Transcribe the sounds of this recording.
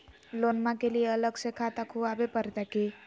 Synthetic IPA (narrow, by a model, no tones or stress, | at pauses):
lonmãkelijeələɡsẽkʰat̪akʰuabepəɾt̪aki